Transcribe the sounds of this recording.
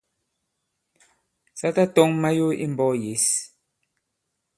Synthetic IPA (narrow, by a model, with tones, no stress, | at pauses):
sa˦ta˦tɔ˦ŋma˦jo˦ʔḭ˦m˨bɔ˦je˨˦s